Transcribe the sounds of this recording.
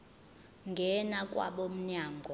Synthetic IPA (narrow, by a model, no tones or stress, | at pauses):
ŋɡʱɛnakʼwa̰ɓom̩ɲaːŋɡʱɔ